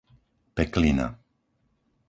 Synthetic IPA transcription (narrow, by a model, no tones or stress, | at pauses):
pɛklina̰